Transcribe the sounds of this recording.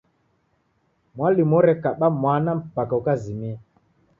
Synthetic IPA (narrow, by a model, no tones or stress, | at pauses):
mwalimɔɾɛkaɓamwanam̩pakaukazimiɛ